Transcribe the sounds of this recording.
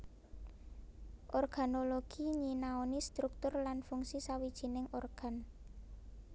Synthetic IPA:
ʔɔrɡ̥a̤noloɡ̥iɲinaonist̪ɾuk̚t̪ʊrlanfuŋsisawid̥ʒ̥i̤nɪŋɔrɡ̥a̤n

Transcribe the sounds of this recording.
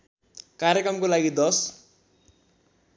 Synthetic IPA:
kaɾjekɾʌmkolaɡid̪ʌs

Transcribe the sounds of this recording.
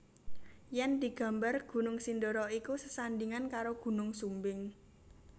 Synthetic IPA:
jɛnd̪̥i̤ɡ̥ä̤mbarɡ̥ṳnʊŋsindoɾɔikusəsand̪iŋankaɾoɡ̥ṳnʊŋsumbɪŋ

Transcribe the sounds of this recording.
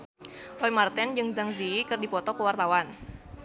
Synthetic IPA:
rɔimart̪ɛnd͡ʒɨŋd͡ʒaŋziikɨrdipɔt̪ɔkəwart̪awan

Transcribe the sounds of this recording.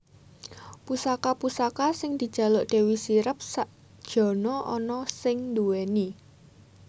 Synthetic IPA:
pusakapusakasɪŋd̪̥i̤d̥ʒ̥ä̤loʔɖ̥e̤wisiɾəp̚saʔ | d̥ʒ̥ɔ̤nɔʔɔ̰nɔsɪŋnd̪ueni

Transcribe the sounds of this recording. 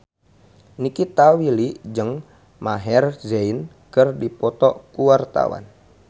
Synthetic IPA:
nikit̪awiliʔd͡ʒəŋ | maɦɛrzein | kərdipɔt̪ɔkuwart̪a̰wa̰n

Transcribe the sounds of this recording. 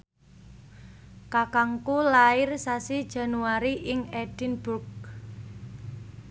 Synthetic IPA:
kakaŋkulaɪrsasid̥ʒ̥a̤nuaɾiʔɪŋɛd̥ɪnb̥ʊrk̚

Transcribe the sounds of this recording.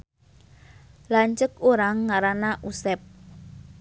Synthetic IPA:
laɲt͡ʃəkoɾaŋːaɾanaʔusɛp̚

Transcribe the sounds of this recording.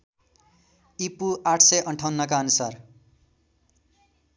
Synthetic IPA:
ipuʔaʈʰsʌjʔʌɳʈʰʌwnːʌkaʌnusar

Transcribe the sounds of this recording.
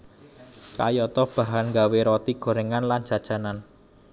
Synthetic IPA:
ka̰jɔt̪ɔb̥a̤ɦanŋɡaweɾɔt̪iɡ̥o̤ɾeŋanlan̥ʒ̥a̤d̥ʒ̥a̤nan

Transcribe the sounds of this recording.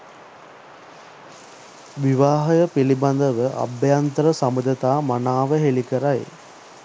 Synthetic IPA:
ʋiʋaːɦɐjəpiliband̪əʋəʔa̰bjant̪əɾəsamud̪ət̪aːmanaːʋəɦelikəɾaj

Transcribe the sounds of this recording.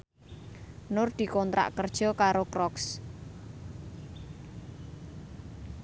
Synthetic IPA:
nʊrd̪̥i̤kɔnt̪ɾa̰ʔkərd̥ʒ̥ɔ̤kaɾokɾɔks

